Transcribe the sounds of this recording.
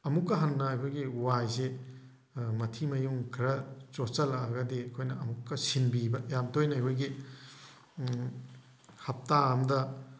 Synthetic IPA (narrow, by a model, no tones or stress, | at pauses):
ɐmukːɐɦɐnːɐajkʰojɡiwajze | mɐtʰimɐjuŋkʰɐɾɐt͡ʃosɐlɐaɡɐdeɐkʰojnɐɐmukːɐsinbibɐjamdojnɐajkʰojɡi | hɐp̚taɐmdɐ